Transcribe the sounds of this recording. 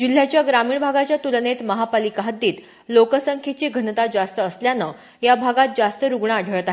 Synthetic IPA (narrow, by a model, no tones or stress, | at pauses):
d͡ʑil̤jat͡ɕjaɡɾamiːɭbʱaɡat͡ɕjat̪ulnet̪məɦapalikaɦət̪d̪iːt̪ | lokəsəŋkʰet͡ɕiːɡʱənət̪ad͡zast̪əːsljanə | jabʱaɡat̪̚d͡zast̪əɾuɡɳaːɖʱəɭət̪aɦe